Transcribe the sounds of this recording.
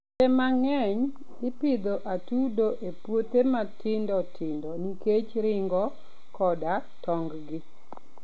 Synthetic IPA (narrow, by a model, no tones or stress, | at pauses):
ɛmaŋɛɲ | ɪpɪd̪oʔatudoʔepwot̪ematɪndɔtʰɪndɔniket͡ʃɾɪŋɡɔ | kɔda | tɔŋɡɡɪ